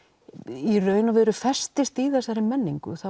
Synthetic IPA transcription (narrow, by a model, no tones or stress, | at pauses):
irœːɥnavɪɾʏfɛst̪ɪst̪iðɛsaɾɪmɛnːiŋkʏ̰θa